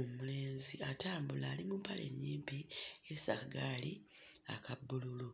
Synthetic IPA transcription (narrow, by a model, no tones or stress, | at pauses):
umule̞ːnziataːmbulaːlimumpale̞̰ɲːiːmpiesaɡali | a̰kʰabːululu